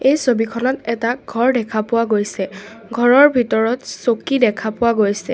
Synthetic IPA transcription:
ejsobikʰɔnɔtɛtaɡʱɔɹdɛkʰapʊwaɡojsɛ | ɡʱɔɹɔɹbʱitɔɹɔtsokidɛkʰapʊwaɡojsɛ

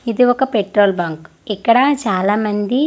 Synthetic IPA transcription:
id̪iɔkːɐpeʈɾoːlbaːŋk | ɛkːɐɽɐt͡ʃaːlaːmɐnd̪i

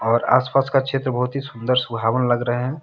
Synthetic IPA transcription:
ɔːɾa̰ːspaːskakʃʰeːt̪ɾəbəɦʊt̪ɦisʊ̃nd̪əɾsʊbʱaːʋənlɐɡɾəɦɦɛ̃

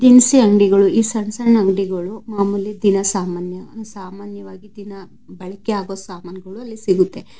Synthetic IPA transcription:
d̪insiɐŋɖiɡɐɭuiːsɐɳsɐɳɐŋɖiɡɐɭumaːmulːid̪inɐsaːmaːnjɐsaːmaːnjɐʋaːɡid̪inɐ | bɐɭɐkɛaːɡoːsaːmaːnjɐɡɐɭuɐlːisiɡut̪ːe

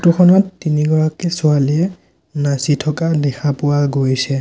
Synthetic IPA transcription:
tuxʰɔnɔtːiniɡɔɹakɛsʊaliɛ | nasitʰɔkadɛxʰapʊwaɡojsɛ

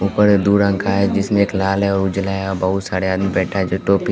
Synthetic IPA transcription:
uːpəɾd̪uːɾə̃ŋkʰaɦɛd͡ʒɪsmẽeːklaːlɦɛɔːɾʊd͡ʒlaɦaɔbɐɦʊt̪saːɾeaːd̪mẽbɛːʈʰaɦɛd͡ʒoʈoːpi

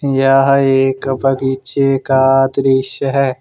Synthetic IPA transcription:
jaːɦeːkbɐɡit͡ʃeːkaːd̪ɾɪʃəɦɛː

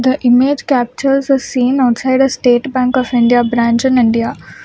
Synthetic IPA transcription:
d̪əʔɪmed͡ʒkæp̚t͡ʃəlzɔsĩːnaʊʈsaɪɖd̪əsʈeːʈbæ̃ŋkɔʋɪ̃ɳɖiabɾãːnt͡ʃə̃nɪ̃ɳɖia

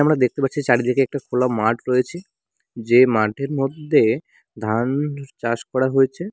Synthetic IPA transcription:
amɽad̪ek̚t̪epaʈːt͡ɕʰit͡ɕaɽid̪ʱikeɛk̚ʈakʰolamaʈɾojet͡ɕʰi | d͡ʑemaʈʰeɾmod̪ʱːe | d̪ʱant͡ɕaʃkɔɽaɦoet͡ɕʰe

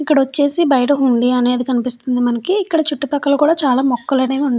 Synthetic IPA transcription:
ikːɐɽɐʋɐt͡ʃːe̞ːsibɐjɐʈ̬ɐuɳɖiɐne̞ːd̪ikɐnipist̪und̪imɐnɐkiːkːɐɽɐt͡ʃuʈːupɐkːɐlɐkuːɽaːt͡ʃaːlaːmɔkːɐlɐneːuɳɖ

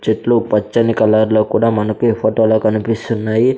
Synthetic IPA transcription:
t͡ʃɐʈlupɐt͡ʃːɐnikɐlaːɾloːkuːɽaːmɐnɐkuepʰoːʈoːloːkɐnipist̪unːaːji

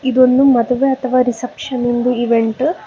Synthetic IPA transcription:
id̪o̞nd̪umɐd̪ɐʋeɐt̪ʰɐʋaːɾisɐpʂɐnind̪uiʋeɳʈ

